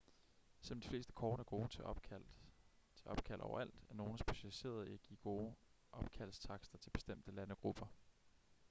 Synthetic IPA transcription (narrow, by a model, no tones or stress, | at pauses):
se̽m̩d̥i̥fle̝̰ːsd̥ə̥kʰɒːnæɐɡ̥o̝̥ː | t͡sʰe̝ɒ̽b̥̚kʰæl̰ʔɒ̰ʊɐ̰æl̰d̥æɐno̝ːn̩sb̥e̝ɕælise̝̰ːɐð̞ˠeæɡ̥ḭːɡ̥o̝ː | ʔɒ̽b̥kʰæl̰st͡sʰɑ̈ɡ̥sd̥ɐt͡sʰe̝b̥e̝sd̥em̰d̥əlænəɡ̥ʁub̥ɐ